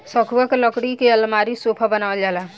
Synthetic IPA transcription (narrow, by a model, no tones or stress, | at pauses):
sɔkʰuwaklɔkɽikeəlmaɾisopʰabənawəld͡ʒala